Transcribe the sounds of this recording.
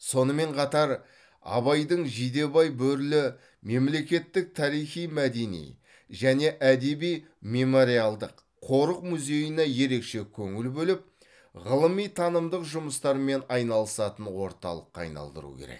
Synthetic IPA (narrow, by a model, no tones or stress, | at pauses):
so̞nəme̞ɴqʰɑt̪ɑɾ | ɑ̰βɑjd̪əɴʒijd̪e̞bɑjbɵɾlɪ | me̞mle̞kʲe̞t̪ːɪk̚t̪ʰɑɾijχijmæd̪e̞nḭj | ʒæne̞ʔæd̪e̞bij | me̞mo̞ɾijalˠd̪əqʰːo̞ɾəq̚mʉze̞jəneje̞ɾe̞kʃe̞kʲʰɵŋɪlbɵlɪp̚ | ʁəlˠəmijt̪ʰɑnəmd̪əqʒʊməst̪ɑɾme̞nɑjnɑlˠəsɑt̪ənwo̞̰ɾt̪ɑ̰lˠəqːɑɑ̰jnɑ̰lˠd̪ə̰ɾṵkʲʰḛɾḛk̚